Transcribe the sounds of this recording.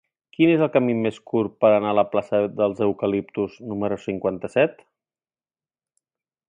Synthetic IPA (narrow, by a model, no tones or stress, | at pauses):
kinezəlˠkəmimeskuɾpəɾənaələplasəðəlˠzəwkəlip̚t̪uznuməɾusiŋkwant̪əsɛt̪